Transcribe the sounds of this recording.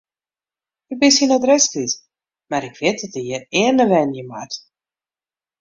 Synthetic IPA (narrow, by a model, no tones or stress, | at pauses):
əbɪsinɔdrɛsklis | maɾɪkʰʋɪt̚dɔtəjəɪərnəʋɛnjəma̰t